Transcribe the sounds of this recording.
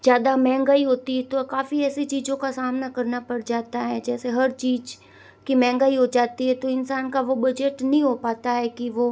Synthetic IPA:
d͡ʒjaːd̪amɛ̃ːŋɡaːiɦoːt̪iɦɛt̪okaːfiɛːsit͡ʃiːd͡ʒõkasaːmnakɐɾnapɐɽd͡ʒaːt̪aɦɛːd͡ʒɛːseɦɐɾt͡ʃiːd͡ʒ | kimɛ̃ːŋɡaːiɦod͡ʒaːt̪iɦɛt̪oɪnsaːnkaʋobɐd͡ʒeʈnɐɦĩɦopaːt̪aɦɛkiʋo

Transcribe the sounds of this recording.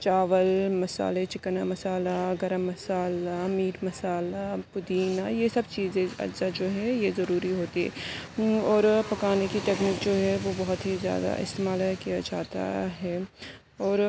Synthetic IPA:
t͡ʃaːʋəlmɐsa̰ːlet͡ʃɪknamɐsaːlaɡɐɾəmːɐsaːlamiːɾmɐsaːlapʊd̪iːnajesɐbt͡ʃiːzẽɐ̰ɾzad͡ʒoːɦɛjezɐɾuːɾiɦoːt̪iɦɛ̰ | ɔːɾpɐkaːnekiʈeːkniːkd͡ʒoːɦɛʋobɐɦʊt̪ɦizja̰ːd̪a̰ʔɪ̰st̪eːmaːlakijad͡ʒaːt̪a̰ɦɛː | ɔːɾ

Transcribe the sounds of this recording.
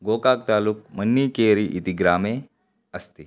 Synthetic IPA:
ɡokak̚t̪aluːk̚mənːiːkeɾiʔit̪iɡɾame | əst̪iː

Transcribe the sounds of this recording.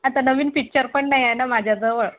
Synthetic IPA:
at̪anəʋiːnpik̚t͡ɕəɾpəɳːaɦjajnamad͡ʑʱjat͡səʋəɭ

